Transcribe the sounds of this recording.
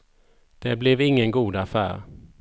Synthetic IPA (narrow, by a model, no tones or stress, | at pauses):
d̪̥ɛblɛvɪŋːənɡuːd̪afæ̰ːɾ